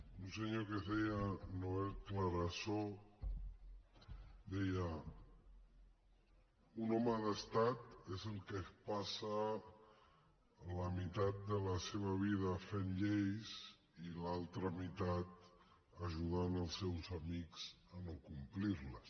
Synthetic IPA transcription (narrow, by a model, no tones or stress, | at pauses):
unsəɲokezðejənoekləɾəso | d̪ɛjə | unɔməðəst̪at̪ezəlˠkəpasə | ləmit̪at̪̚d̪ələseβ̞əβ̞ið̞əfenʎejz | ilalˠt̪ɾəmit̪at̪̚əʒuð̞anəlˠsːɛwzəmikz̥ | ənokumpliɾləs